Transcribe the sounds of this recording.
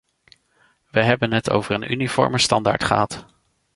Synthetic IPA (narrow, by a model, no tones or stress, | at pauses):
ʋəɦɛbənɦətʰo̰wvərəny̰nifɔ̰ɹməstɑnda̰ːɹtχəɦɑt